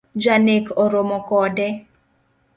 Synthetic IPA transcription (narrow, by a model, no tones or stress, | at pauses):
d͡ʒanekɔɾomɔkɔdɛ